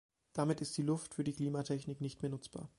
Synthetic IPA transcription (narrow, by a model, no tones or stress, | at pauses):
d̥amɪtɪst̚d̥iːlʊftfyːɐdiːkl̥iːmatʰɛçnɪknɪçtmeːɐnʊt͡sb̥a̰ːɐ